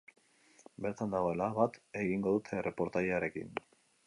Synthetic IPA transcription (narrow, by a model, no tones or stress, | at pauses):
be̞ɾt̪and̪aɣo̞e̞laβat̪e̞ɣiŋɡo̞ðut̪ʰe̞re̞po̞ɾt̪ajaɾe̞kḭn